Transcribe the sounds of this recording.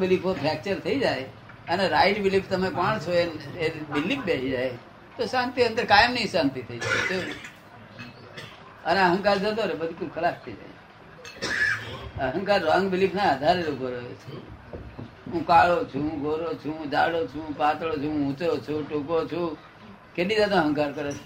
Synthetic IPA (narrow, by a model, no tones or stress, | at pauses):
bɪlipʰopʰɾɛk̚t͡ʃəɾt̪ʰəid͡ʒae | əneɾaɪʈbɪlipʰt̪əmekɔɳ̃t͡ʃʰoenebɪlip̚ʰbeid͡ʒae | t̪osãnt̪iə̃nd̪əɾkajəmnəĩsãnt̪it̪ʰəid͡ʒaet̪o | əneəɦə̃ŋkaɾd͡ʒət̪oɾebəd̪ʱikulkʰəlakt̪ʰəid͡ʒa̰e | əɦə̃ŋkaɾːəŋɡbɪlipʰnaəd̪ʱaɾeɾoɡoɾoot͡ʃʰe | ɦũkaːɭot͡ʃʰũɦũɡʱoɾot͡ʃʰũũd͡ʒaːɽot͡ʃʰũpat̪ɭot͡ʃʰuũũtɾot͡ʃʰuʈukot͡ʃʰũ | keɗid͡ʒat̪ẽəɦə̃ŋkaɾkəɾet͡ʃʰ